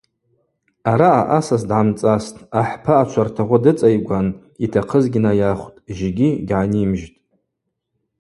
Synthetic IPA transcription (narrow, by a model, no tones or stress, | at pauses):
aɾaːʔasasdʕamt͡sʼastʼaħpʰaːt͡ʃʷʰartʰaʁʷʊdɨt͡sʼajɡʷan | itʰaqʰəzɡʲinajaχʷtʼʒeɡʲiɡʲʕanimʒtʼ